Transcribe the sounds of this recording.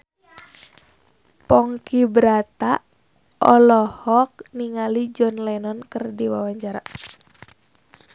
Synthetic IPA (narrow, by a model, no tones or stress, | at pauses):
pɔŋkibɾat̪a | ʔɔlɔhɔk̚niŋalid͡ʒɔnlɛnɔnkɨrdiwawaɲt͡ʃaɾa